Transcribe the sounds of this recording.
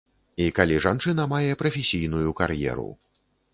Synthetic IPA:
ikalʲiʐant͡ʂɨn̪ɐmajɛpɾɐfʲesʲijn̪ujukarjɛ̰ɾṵ

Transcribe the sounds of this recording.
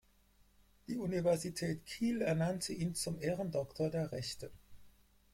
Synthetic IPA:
d̥iːunivɛɐzitʰɛːtkʰiːlɛɐnantʰəʔiːnt͡sʊmʔeːʁəndɔktʰoɐdeːɐʁɛçtə

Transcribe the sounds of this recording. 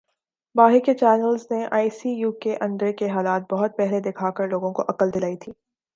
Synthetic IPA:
baːɦɪket͡ʃɛːnəlzneʔa̰ːisijuːkeʔɐ̃ndɖ̪ɾekeɦaːlaːt̪̚bɐɦʊt̪̚pɛɦled̪ɪkʰaːkəɾloːɡõkoʔɐqəld̪ɪlaːit̪ʰiː

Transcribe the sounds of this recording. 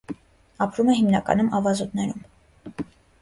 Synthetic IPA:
ɑpʰɾumɛɦimnɑkɑ̰numʔɑvɑzut̪nɛɾum

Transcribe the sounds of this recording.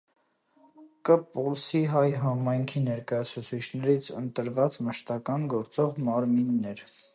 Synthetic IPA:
kəpulsiɦɑjɦɑmɑjŋkʰinɛɾkɑjɑt͡sʰut͡sʰit͡ʃʰnɛɾit͡sʰənt̪əɾvɑt͡sməʃt̪ɑkɑnɡɔɾt͡sɔʁmɑɾminːɛɾ

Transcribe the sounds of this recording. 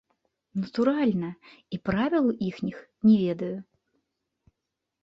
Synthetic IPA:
nɐt̪uɾalʲnɐipɾavʲilˠuʔixnʲixnʲɛvʲɛd̪ɐju

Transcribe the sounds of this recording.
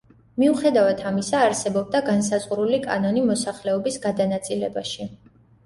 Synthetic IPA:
miuχɛd̪avat̪ʰamisaːɾsɛbɔb̚d̪aɡans̬azʼqʼuɾulikʼa̰nɔnimɔsaχlɛɔbisɡad̪anat̪sʼilɛ̰baʃi

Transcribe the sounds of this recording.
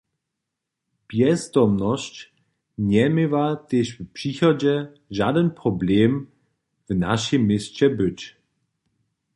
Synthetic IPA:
pjɛzd̪ɔmnɔɕt͡ɕ | ɲɛmevat̪eʃvpʂixɔd͡ʑɛ | ʒadənpʁɔbleːm | vna̰ʃimːɪst͡ɕɛbʏt͡ɕ

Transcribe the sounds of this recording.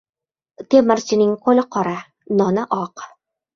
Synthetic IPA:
t̪emɘɾsiniŋqolʲɤqɒɾa | nɒnaʔɒq

